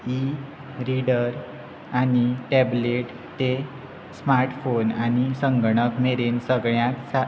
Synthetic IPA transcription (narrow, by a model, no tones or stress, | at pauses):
i | ɾiɖəɾ | aniʈɛbleʈ | t̪e | smaɾʈfonanisəŋɡɽəkmeɾensəɡɭjãtsa